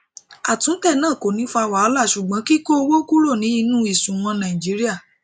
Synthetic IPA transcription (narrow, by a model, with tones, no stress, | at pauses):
a˨tũ˨˦tɛ˦˨nãː˦˨ko˨nĩ˨˦fa˧˨wa˨˦ɔ˦la˦˨ʃu˨ɡ͡bã˨˦ki˦ko˦o˧wo˦ku˦ɾo˦˨nĩ˨˦i˧nũ˦i˨sũ˨w̃ɔ̃˧nã˨ĩ˨d͡ʒi˨˦ɾi˦a˦˨